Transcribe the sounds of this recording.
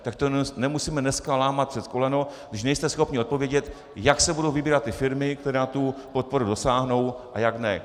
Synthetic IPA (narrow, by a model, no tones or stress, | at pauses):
t̪ak̚t̪onɛmusiːmɛnɛskalaːmat̪̚pr̥ɛt̪kolɛno | ʃnɛjst̪ɛsxo̞pɲɪo̞t̪̚po̞vjɛɟɛt̪ | jaksɛbudo̞wvɪbiːɾat̪ːɪfɪɾmɪk̚t̪ɛɾaːt̪upot̪̚po̞ɾudo̞saːɦno̞wʔajaɡnɛ